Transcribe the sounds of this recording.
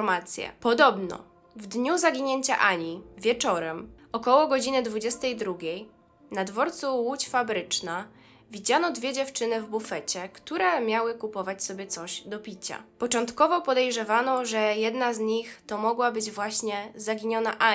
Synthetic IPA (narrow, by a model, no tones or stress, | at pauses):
ɾmat̪sʲjɛ̰pɔd̪ɔbnɔ̰ | vd̪ɲuzaɡʲiɲeɲt͡ɕa̰ʔaɲivʲjɛt͡ʂɔɾɛm | ɔkɔwɔɡɔd͡ʑinɘd̪vud͡ʑɛst̪ɛjd̪ɾuɡʲej | nad̪vɔɾt̪suwut͡ɕfabɾɘt͡ʂna | vʲid͡ʑanɔd̪vʲjɛd͡ʑɛft͡ʂɘnɘvbufɛt͡ɕɛkt̪uɾɛmʲjawɘkupɔvat͡ɕʲsɔbʲjɛt̪sɔʑd̪ɔpʲit͡ɕa̰pɔt͡ʂɔnt̪kɔvɔpɔd̪ɛjʐɛvanɔʐɛjɛd̪nazɲixt̪ɔmɔɡwabɘd͡ʑvwaɕɲɛzaɡʲiɲɔnaʔa